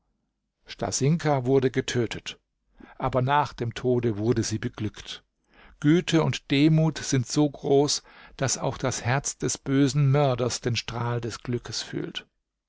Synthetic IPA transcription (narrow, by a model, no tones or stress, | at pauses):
ʃta̰zɪŋkʰɐvʊɐdəɡətʰøːtʰət | ʔaːbɐnaːχd̥eːmtʰoːdəvʊɐdəziːbəɡ̥lʏkt | ɡ̥yːtʰəʊntd̥eːmuːtz̥ɪntz̥oːɡʁoːsd̥asa̰ʊxd̥ashɛɐt͡sd̥ɛsb̥øːzn̩mœɐdɐsd̥eːnʃtʁ̥aːldɛsɡ̥lʏkəsfy̰ːlt